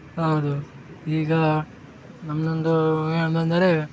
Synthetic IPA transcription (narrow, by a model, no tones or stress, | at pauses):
ɦɐwd̪u | iːɡɐ | nɐmnond̪ueɳbɐnd̪ɐɾe